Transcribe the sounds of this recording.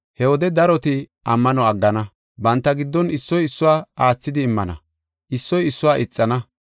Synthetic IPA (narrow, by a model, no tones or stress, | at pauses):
hɛwɔd̪ɛd̪ɐɾɔt̪ɪʔɐmːɐnɔɐɡːɐnɐ | bɐnt̪ːɐɡɪd̪ːɔnɪsːɔjɪsːʊwaːaːt͡sːɪd̪ɪːmːɐnɐ̰ | ʔɪsːɔjɪsːʊwaːʔɪt͡sʼːɐnɐ